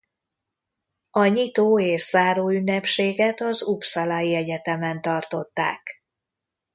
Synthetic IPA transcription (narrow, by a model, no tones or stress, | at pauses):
ɒɲit̪oːeːʃz̥aːɾoːynːɛpʃeːɡɛt̪ɒzupsɒlajiɛɟɛt̪ɛmɛnt̪ɒrt̪o̞t̪ːa̰ːk